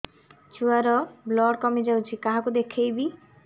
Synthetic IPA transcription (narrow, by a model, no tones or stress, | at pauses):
t͡ʃʰuaɾɔblɔɽkɔmid͡ʒawt͡ʃʰikaɦakud̪ekʰejbi